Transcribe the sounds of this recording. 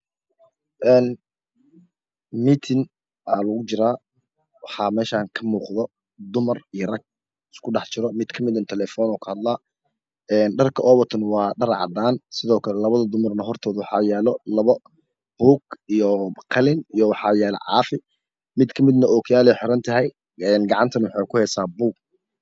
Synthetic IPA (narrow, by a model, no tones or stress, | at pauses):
ʔɛːn | mit̪ʰɪn | ʔaːlɐɣʊt͡ʃɪɾaː | wɑħɑːmɛːʃaːŋkʰɐmuːqðɔ | d̪ʊmɐrijɐrɐɡ̚ | ɪskʰʊɖɑħt͡ʃɪɾɔmɪd̪kʰɐmɪd̪ɐnt̪ʰɛlɛːfɔːnɔːkʰɐhɐd̪laː | ɛːnɖɐrkʰɐʔɔːβɐt̪ʰɐnwɑːɖɐrʕɑ̰d̪aːnsɪðɔːkʰɐlɛlɐβɐðɐd̪ʊmɐrnɐɦɔrt̪ʰɔːðʊwɑħɑ̰ːjɛːlɔlɐβɐ | b̥uːɡijɔqʰɐlɪnijɔwɑħɑːjɛːlɐ̰ʕɑ̰ːfɪ | mɪd̪kʰɐmɪd̪nɐɔːkʰjaːlɛjħɔɾɐnt̪ʰɐɦɛj | ɛːnɡɑʕɑnt̪ʰɐnwɑħɑjkʰʊhɛːsaːbuːɡ̚